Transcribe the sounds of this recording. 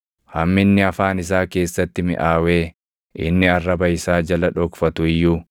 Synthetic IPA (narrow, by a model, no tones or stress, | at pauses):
hɐmːɪnːɪɐfaːnɪs̬aːke̞ːsːɐt̪ːɪmɪ̰ʔaːwe̞ː | ʔɪ̰nːɪɐrːɐbɐɪsaːd͡ʒɐlɐᶑɔkfɐt̪ʊɪjːuː